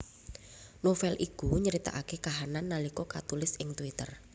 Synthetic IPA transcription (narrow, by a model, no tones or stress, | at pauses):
nofɛlʔikuɲəɾit̪a̰ʔakekaɦananːalikɔkat̪ulɪsɪŋt̪uit̪ər